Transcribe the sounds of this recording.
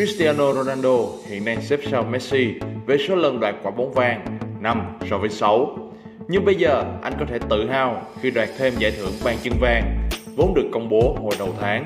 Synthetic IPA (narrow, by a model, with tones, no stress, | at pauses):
ki˦˥st̪i˧aː˧no˧ɾo˧naː˧nɗo˧hḭ˧˨ənːa˧jsɛ˦˥p̚saː˧wmɛ˦˥t̚si˧ve˨˩so˨˦lə˨˩nɗwaː˨˩t̚kwaː˧˩ɓo˨˦nvaː˧ŋna˧msɔ˧vəː˨˦jsa˨˦w | ɲɨ˧ŋɓə˧jzəː˨˩ʔa˧jŋ̟kɔ˨˦t̪ʰe˧˩t̪ɨ̰˧˨ɦaː˧wxi˧ɗwaː˨˩t̚t̪ʰe˧mza̰ː˧˩jt̪ʰɨ˧˩əŋɓaː˧nt͡ɕɨ˧ŋvaː˧ŋvo˨˦nɗɨ˨˩əkːə˧wŋ͡mɓo˨˦ho˨˩jɗə˨˩wt̪ʰaː˨˦ŋ